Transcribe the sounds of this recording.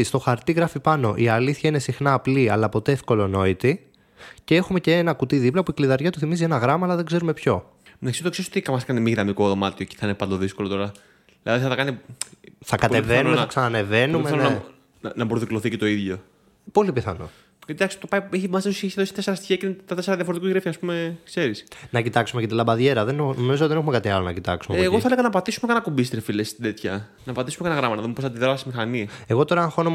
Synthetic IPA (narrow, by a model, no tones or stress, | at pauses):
ist̪o̞xɐɾt̪iɣɾɐfipɐno̞ʔiɐliθçɐine̞sixnɐːpliɐlɐpo̞t̪e̞efko̞lo̞no̞it̪i | cee̞xume̞ce̞enɐkut̪iðiplɐpuikliðɐɾʝɐt̪uθimizie̞nɐɣɾɐmɐːlɐðeɡze̞ɾume̞pço̞ | mnɐsot̪oksesot̪ikɐmɐskɐnimiɣɾɐmiko̞ðo̞mɐt̪io̞ce̥θɐinepɐnd̪oðisko̞lot̪o̞ɾɐ | ðilɐðiθɐθɐkɐni | θɐkɐt̪evenumeɐksɐnɐne̞ve̞nume | nɐbɾoðikloθicet̪o̞iðʝo̞ | po̞lipiθɐ̰no̰ | et̪id̪ɐksi̥t̪opɐjieçimɐzsesusijeçseðosi̥t̪e̞seɾɐst̪i̥çiɐcet̪ɐt̪e̞seɾɐðʝɐfoɾt̪ikuɣɾeft̪iɐspume̞kse̞ɾisnɐcit̪ɐksumekɐt̪ilɐbɐðʝeɾɐðennomizoðenexumekat̪iɐlonɐcit̪ɐksumeːɣoθɐeleɣɐnɐpɐt̪isumekɐnɐkumbist̪ɾefilest̪id̪et̪çɐ | nɐpɐt̪isumekɐnɐɣɾɐmɐnɐðume̞posɐd̪iðoɐsimixɐnie̞ɣo̞t̪o̞ɾɐxono